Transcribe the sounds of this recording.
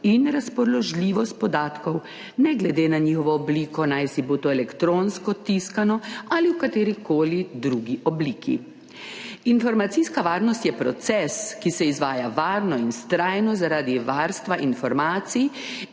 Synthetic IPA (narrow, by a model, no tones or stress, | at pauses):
inɾaspɔɾlɔʒliːʋɔst̪̚pɔd̪aːt̪kɔw | nɛɡlɛd̪eːnaɲiːxɔʋɔːbliːkɔnajsiboːt̪oɛlɛkt̪ɾoːnskɔt̪iskanɔaliwkat̪eːɾikoːlid̪ɾuːɡiʔɔbliːkʰḭ | infɔɾmat̪siskaʋaːɾnɔst̪jɛpɾɔt̪sɛskisɛizʋaːjaʋaːɾnɔinst̪ɾajnɔzaɾaːd̪iʋaːɾst̪ʋaʔinfɔɾmaːt̪sij